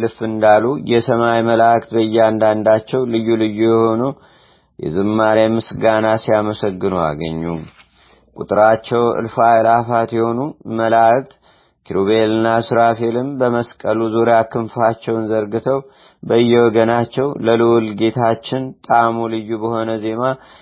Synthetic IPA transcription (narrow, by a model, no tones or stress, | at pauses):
lɨfɨnd̪alujɛsəmajməlakt̪bəjːɛand̪and̪at͡ʃːɛwlɨjːulɨjːujɛho̞nu | jɛ̰zɨmːaɾamɨsɡanasijaməsəɡːɨnua̰ɡə̰ɲːu | kʼṵt̪ʼɨɾat͡ʃːɛwɨ̰lfalafat̪jɛho̞numəlak̚t̪ | kʰiɾoβelɨnːasɨɾafelɨmbəməskʼəluzoɾjakʰɨmfat͡ʃːɛwɨnzəɾɡɨt̪ʰəw | bəjːɛwɔɡənat͡ʃːɛwləlɨwlɡe̞t̪ʰat͡ʃːɪnt̪ʼamulɨjːubəho̞nəze̞ma